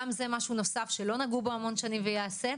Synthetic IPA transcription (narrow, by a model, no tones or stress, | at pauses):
mze̞maʃuno̞safʃe̞lo̞naɡubo̞amo̞nʃanimvejaːse̞